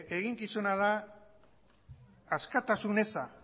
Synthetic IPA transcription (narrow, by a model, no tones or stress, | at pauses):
e̞ɣiŋkisunaða | skat̪asune̞sa